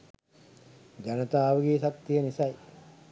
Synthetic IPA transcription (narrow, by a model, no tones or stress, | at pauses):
d͡ʒanɐt̪aːʋəɡiːsak̚t̪ːijənisɐj